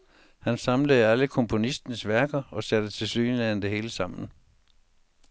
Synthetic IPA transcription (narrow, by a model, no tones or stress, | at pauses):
hænsɑ̈mləðæləkʰɒ̽mpʰo̝nisd̥nəsʋæɐɡ̥ɐɒ̽sæd̥ət͡sʰe̝lsy̰ːnliænd̥e̝he̝ːləsɑ̈m̰n̩